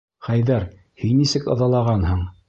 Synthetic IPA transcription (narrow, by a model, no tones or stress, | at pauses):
χæjðæɾ | hinːisɘkɤ̰̆ðɑlˠɑʁɑnhɤ̆ɴ